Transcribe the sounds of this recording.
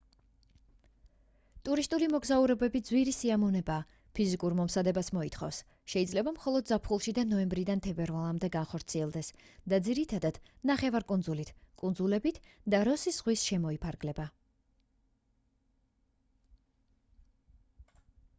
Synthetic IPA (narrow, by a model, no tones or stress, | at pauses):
t̪ʼuɾist̪ʼulimɔɡzauɾɛbɛbid̪zwiɾisiamɔnɛbaː | pʰizikʼuɾmɔmsad̪ɛbasmɔit̪ʰχɔ̰fs | ʃɛid̪zlɛbamχɔlˠɔd̪̚zapʰχulˠʃid̪anɔɛmbɾid̪ant̪ʰɛbɛɾvalˠamd̪ɛɡanχɔɾt̪sʰiɛlˠd̪ɛsd̪̥ad̪ziɾit̪ʰad̪ad̪̥naχɛvaɾkʼund̪zulit̪ʰkʼund̪zulɛbit̪ʰd̪aɾɔsiz̥ʁwisʃɛmɔipʰaɾɡlɛba